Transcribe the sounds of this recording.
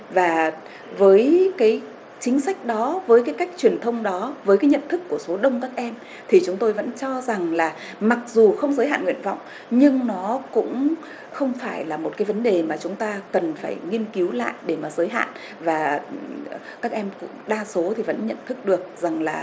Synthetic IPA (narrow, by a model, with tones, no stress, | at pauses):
vaː˨˩ | vəː˨˦jkaː˨˦j | t͡ɕï˨˦ŋ̟sa˦˥jk̟̚ɗɔ˨˦vəː˨˦jk̬aː˨˦jka˦˥jk̚t͡ɕwi˨˩ənt̪ʰə˧wŋ͡mɗɔ˨˦vəː˨˦jkaː˨˦jɲə̰˧˨nt̪ʰɨ˦˥kːu˧˩əso˨˦ɗə˧wŋ͡mkaː˦˥k̚ʔɛ˧m | t̪ʰi˨˩t͡ɕʊ˨˦ŋ͡mt̪o˧jvə̰˧˥nt͡ɕɔ˧za˨˩ŋlaː˨˩ | ma˨˩k̚zu˨˩xə˧wŋ͡mzəː˨˦jɦa̰ː˧˨nŋw̰i˧˨ənva̰˧˨wŋ͡m | ɲɨ˧ŋnɔ˨˦kʊ̰˧˥ŋ͡m | xə˧wŋ͡mfaː˧˩jlaː˨˩mo˨˩t̚kaː˨˦jvə˨˦nɗe˨˩maː˨˩t͡ɕʊ˨˦ŋ͡mt̪aː˧kə˨˩nfaː˧˩jŋi˧ənki˨˦wla̰ː˧˨jʔɗe˧˩maː˨˩zəː˨˦jɦa̰ː˧˨n | vaː˨˩ | kaː˦˥k̚ʔɛ˧mkŋ͡mɗaː˧so˨˦t̪ʰi˨˩və̰˧˥nɲə̰˧˨nt̪ʰɨ˦˥k̚ɗɨ˨˩ək̚za˨˩ŋlaː˨˩